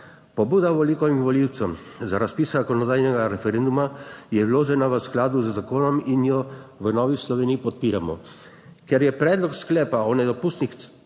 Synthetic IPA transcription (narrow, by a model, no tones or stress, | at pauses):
pɔbuːd̪aʋɔlikɔʋimʋɔliwt̪səm | zaɾaspiːszakɔnɔd̪aːjnɛɡaɾɛfɛɾeːnd̪umajɛwloːʒɛnaʋəsklaːd̪uzəzakoːnɔminjɔʋənɔːʋislɔʋeːnijipɔt̪̚piːɾamɔ̰ | kɛɾjɛpɾɛːd̪lɔksklɛːpaɔnɛd̪ɔpuːst̪nix